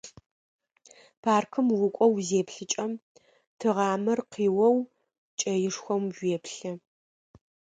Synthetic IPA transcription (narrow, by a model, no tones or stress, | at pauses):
pʰaːrkʰɨmwʊkʷʼɔwzeːpɬɨt͡ʃʼɐm | tʰɨʁɑːmɐrqiːwɐw | t͡ʃʼɐjɪʂxʷɔmʒʷeːpʰɬɐ